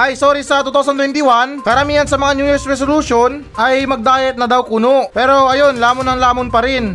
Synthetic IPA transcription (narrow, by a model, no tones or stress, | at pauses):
ʔɐjsoɾisɐt̪uːt̪aws̬ɐnt̪wɛnt̪ɪwankɐɾɐmiːhɐnsɐmɐŋanjuːjɪɾsɾɛsoluʃon | ʔɐjmɐɡ̚d̪aːjɛt̪̚nɐd̪awkuːnoʔpɛːɾo̞ʔɐjo̞nlaːmonɐŋlaːmonpɐɾɪn